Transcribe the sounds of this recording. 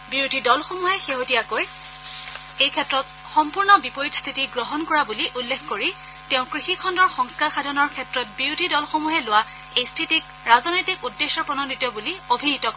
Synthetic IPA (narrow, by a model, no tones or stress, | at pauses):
biɹudʱidɔlxomuɦɛxeɦotiakoj | ejkʰɛtɹɔt̚ | xɔmpuɹnɔbipoɹitst̪ʰitiɡɹɔɦɔnkɔɹabuliʔulːexʰkoɹi | tɛʊ̃kɹixikʰɔndɔɹxɔŋskaɹxadʱɔnɔɹkʰɛtɹɔt̚biɹudʱidɔlxomuɦɛlʊwa | ejstʰitik̚ | ɹazɔnojtikudːesɔɹpɹɔnɔnditːɔbuliobʱiɦitɔk